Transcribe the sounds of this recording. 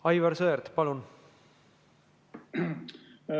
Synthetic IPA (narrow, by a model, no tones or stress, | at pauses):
ɑjvɑɾsɤd̪eɾt̪pɑlun